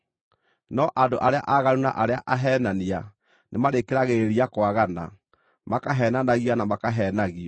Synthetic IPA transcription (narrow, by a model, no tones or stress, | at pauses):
nɔʔandoʔaɾea̰ʔaɣaɾuna̰ʔaɾeaʔaɦɛːnania | nʔemaɾekeɾaɣeɾiakwaɣana̰ | makaɦɛnanaɣianamakaɦɛnaɣiɔ